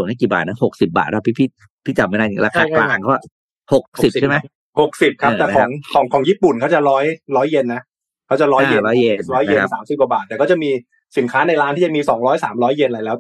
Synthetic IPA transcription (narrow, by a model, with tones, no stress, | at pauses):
nma˥˩kiː˨˩ba̰ː˨˩t̪̚na˦˥ho˨˩k̚si˨˩p̚ba̰ː˨˩t̪̚ːpʰiː˦˥˩pʰi˦˥˩ | pʰiː˦˥˩t͡ɕa˨˩ma˥˩na˥˩i˩ɾaː˧kʰaː˧klaː˧ŋkʰa˦˥wa˥˩ | ho˨˩k̚si˨˩p̚ʰa˥˩ma˦˥j | ho˨˩k̚si˨˩p̚kʰa˦˥˧t̪ɛː˨˩kɔː˧˦ŋkʰɔː˩˦ŋkʰɔː˩˦ŋjiː˥˩pu˨˩nkʰa˦˥wt͡ɕa˨˩ɾɔː˦˥jɾɔː˦˥jːe˧nːa˦˥ | kʰaː˦˥˩t͡ɕa˨˩ɾɔː˦˥je˧˩˧ɾɔː˦˥jje˧ne˨˩ɾɔː˦˥je˧˦saː˩˦msi˨˩p̚kwa˨˩baː˨˩t̪̚ːɛː˨˩kɔː˥˩t͡ɕa˨˩miː˧ | si˨˩˦kʰaː˦˥na˧jɾaː˦˥t̪ʰiː˥˩t͡ɕa˨˩miː˧sɔː˩˦ŋɾɔː˦˥jsaː˩˦mɾɔː˦˥jːe˧nla˧jlɛː˦˥